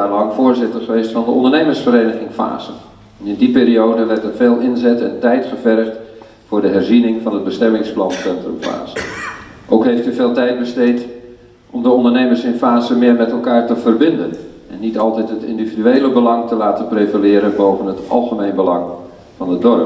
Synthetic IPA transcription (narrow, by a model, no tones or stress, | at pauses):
aːlɑŋfʊːɹzɪtərχəʋejstfɑndəɔ̰ndərnejmərsfəɾeːnəɣɪŋfa̰ːz̥ən | ɛnɪndipɪːɾiowdəʋɛrtətfeːlˠɪnzɛtɛ̰ntɛjtχəvɛrχt | fʊːrdəɦɛrzinɪŋvɑnəd̚bəstɛmɪŋsplɑnsɛntrəmfa̰ːzəʔowkɦejftyvɪːlˠtɛjd̚bəstejt | ʔɔmdəɔndərnejmərsɪnfaːzəmɪːrmɛtɛlˠkaːrtəv̥ərbɪndən | ɛnːitɑlˠtɛtɦətɪ̰ndividyejləbəlɑŋtəlaːtəprevəlɪːɾənbowvənətɑ̰lˠχəmejnbəlɑŋ | vɑnədɔrə